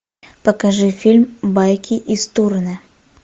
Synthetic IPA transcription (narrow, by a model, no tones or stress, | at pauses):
pəkɐʐɨfʲilʲmbajkʲiʔist̪urnɨ